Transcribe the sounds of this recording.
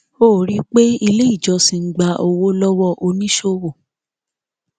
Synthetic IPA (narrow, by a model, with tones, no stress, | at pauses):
oː˦˨ɾi˦k͡pe˦i˧le˦i˦˨d͡ʒɔ˧si˧ŋ̩˦ɡ͡ba˧ʔo˧wo˦lɔ˦wɔ˦˧ʔo˧nĩ˦ʃo˦wo˦˨